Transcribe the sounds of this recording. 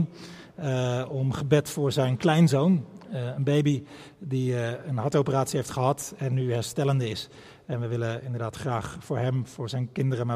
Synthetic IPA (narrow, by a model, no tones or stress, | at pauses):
ɔmχəbɛtfʊːɹzɛjnklɛjnzownənbejbi | diənɦɑɹtowpəraːtsiɦejftχəɦɑtɛnːyɦɛɹstɛləndəɪs | ɛnʋəʋɪləɪndəɹdaːtχraːχfʊːɹɦɛmv̥ʊːɹzɛjnkɪndərəmaː